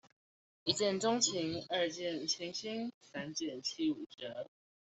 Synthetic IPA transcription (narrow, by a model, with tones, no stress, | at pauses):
i˧˥t͡ɕjɛ˥˩nʈ͡ʂʊ˥ŋt͡ɕʰi˧˥ŋə˞˥˧t͡ɕjɛ˥˩nt͡ɕʰi˧˥ŋɕi˥ŋsa˥nt͡ɕjɛ˥˩nt͡ɕʰi˥u˨˩ʈ͡ʂə˧˥